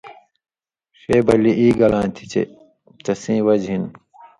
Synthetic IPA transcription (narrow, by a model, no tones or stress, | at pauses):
ɕeːbɐliʔiːɡɐlãːt̪ʰi̥t͡ɕḛ | t͡ɕɐsĩːwɐd͡ʑɦin